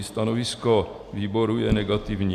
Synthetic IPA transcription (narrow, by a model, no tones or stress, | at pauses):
st̪anovɪsko | viːboɾujɛnɛɡat̪ɪvɲ